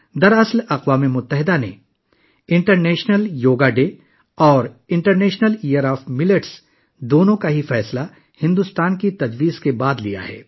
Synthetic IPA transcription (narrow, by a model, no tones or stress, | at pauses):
d̪ɐɾɐslɐqwaːmemʊt̪ːəɦɪd̪ane | ɪ̃ɳʈəɾnɛːʃnəljoːɡaɖeː | ɔːɾɪ̃ɳʈəɾnɛːʃnəlijəɾɔːfmɪləʈs | d̪oːnõkaɦifɛːsla | hɪ̃nd̪ʊst̪aːnkit̪ɐd͡ʒwiːzkebaːd̪lḭja̰ɦɛ̰ː